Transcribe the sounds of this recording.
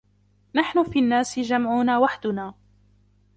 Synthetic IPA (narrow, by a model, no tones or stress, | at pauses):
naħnʊfiːʔanːaːsɪd͡ʒamʕʊnaːwaħd̪ʊnaː